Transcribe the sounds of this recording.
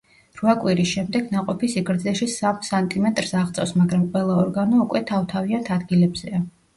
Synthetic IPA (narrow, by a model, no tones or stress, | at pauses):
ɾuakʼwiɾisʃɛmd̪ɛɡnaqʼɔpʰisiɡɾd̪zɛʃisamsant̪ʼimɛt̪ʼɾsaʁt̪sʼɛsmaɡɾamqʼwɛlˠaɔɾɡanɔukʼwɛt̪ʰavt̪ʰaviant̪ʰad̪ɡilɛbz̥ɛa